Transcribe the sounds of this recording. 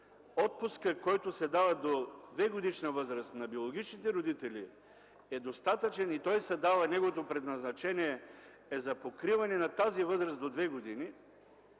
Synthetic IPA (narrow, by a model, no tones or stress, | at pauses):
ɔt̪̚puskəkɔjt̪osɛd̪avɐd̪od̪vɛɡod̪iʃnɐvɤzɾɐst̪nɐbiolˠoɡ̟it͡ʃnit̪ɛɾod̪it̪ɛlʲi | ɛd̪ost̪at̪ət͡ʃɛnit̪ɔjsɛd̪avɐnɛɡovot̪opɾɛd̪nɐznɐt͡ʃɛniɛ | ɛzɐpokɾivɐnɛnat̪azivɤzɾəsd̪od̪vɛɡod̪ini